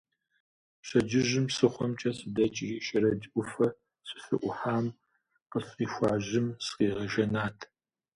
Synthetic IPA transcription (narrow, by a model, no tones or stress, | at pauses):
ɕʷɐd͡ʒɪʒɪmsɨχʷɔmt͡ʃʼɐsɨdɐt͡ʃʼiʃɐɾɐd͡ʒʔʷʊfɐ | sɪ̥sɨ̰ʔʷʊħaːm | qəsqiːxʷɑːʑɪmsqiːʁɐʒɐnaːtʰ